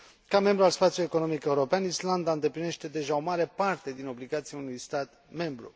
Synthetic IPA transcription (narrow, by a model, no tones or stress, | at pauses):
kame̞mbɾualspat̪siulujeko̞no̞mike̞uɾo̞peanisland̪aɨnd̪e̞pline̞ʃt̪e̞d̪e̞ʒao̞maɾe̞part̪e̞d̪ino̞bliɡat̪siaunujst̪at̪ | me̞mbɾṵ